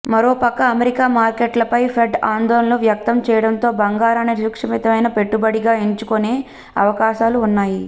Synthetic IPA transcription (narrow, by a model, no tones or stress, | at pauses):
mɐɾoːpɐkːɐːmeɾikaːmaːɾkeːʈlɐpɐjpʰeɖaːnd̪oːlɐnloːʋjɐk̚t̪ɐmt͡ʃɛːjɐɽɐnt̪o̞ːbɐŋɡaːɾaːniɾukʂɐmit̪ɐʋɐjnɐpe̞ʈːubɐɽiɡaːeɲt͡ʃukone̞ː | ɐ̰ʋɐkaːʃaːluːnːaːji